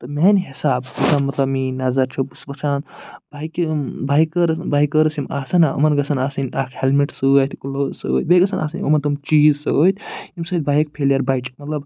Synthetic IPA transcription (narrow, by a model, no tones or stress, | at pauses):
t̪ɐmenɦisaːbutanmɐt̪lɐbminɐzɐɾt͡ʃʰubusʋɐt͡ʃʰaːnbajkbajkəɾbajkəɾsimaːsɐnaɐ̰mɐnɡɐsʰɐnaːsinʲakʰhelmiʈsuat̪ʰkuloːso̰t̪̚beɡɐsʰɐnʔa̰ːsɐnomɐnt̪umt͡ʃiːzsoot̪ʰʲimsɐt̪̚ʲbajik̚pʰeljɐɾbajt͡ʃʰmɐt̪lɐb